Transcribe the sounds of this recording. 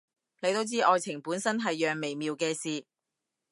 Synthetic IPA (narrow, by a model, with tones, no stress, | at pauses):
le˨˧jt̪o˥wt͡siː˥ʔɔː˨˧jt͡sʰɪ˨˩ŋpuː˨˥nsɐ˥nɦɐ˨jːœː˨ŋme˨˩jmiː˨wkɛː˧siː˨˧